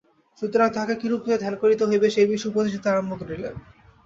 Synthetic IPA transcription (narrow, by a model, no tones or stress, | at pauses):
ʃut̪ːoɾat̪ʰakekiɾukied̪ʱɛlkoɾit̪oɦojbeʃejbiʃupot̪iʃit̪ʰaɾombokɾile